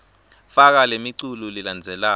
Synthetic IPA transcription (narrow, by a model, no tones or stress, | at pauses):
fak̬alemiǀululiland͡zʱɛla